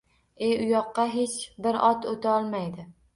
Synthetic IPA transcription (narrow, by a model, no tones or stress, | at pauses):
e̞ʊjɒqːɑɦe̞t͡ʃbɪɾɒt̪ʰot̪ʰaɒlˠmajd̪ɪ